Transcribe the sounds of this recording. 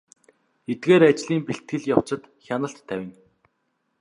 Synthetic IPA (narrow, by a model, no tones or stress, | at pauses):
et̪̚ɡeːɾat͡ɕɮiːmpeɬt̪ɡɘ̆ɮjaw̥t͡ɕə̆t̪xʲanə̆ɬt̪ʰːæwʲɪ̆n